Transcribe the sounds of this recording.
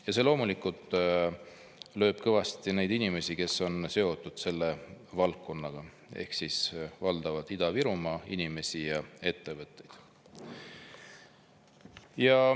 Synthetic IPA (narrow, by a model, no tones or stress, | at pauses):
jɑse̞ːlo̞ːmulikːˑult̪ˑ | lø̞ːb̥̚kɤvɑst̪ine̞jd̪inime̞sike̞so̞nse̞o̞t̪ːˑud̪̥se̞lːe̞vɑlkkːo̞nːɑɡ̥ɑ | e̞̰hksisvɑld̪̥ɑvɑd̪̥id̪ɑviɾumɑːḭnʲime̞sijɑe̞t̪ːe̞vɤt̪ːˑe̞jd̪̥ | jɑ